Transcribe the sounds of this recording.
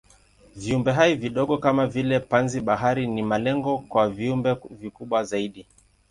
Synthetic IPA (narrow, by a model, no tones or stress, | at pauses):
viumbɛɦaiviɗɔɠɔkamavilɛpanziɓaɦaɾinimalɛŋɡɔkwaviumbɛvikuɓwazaiɗi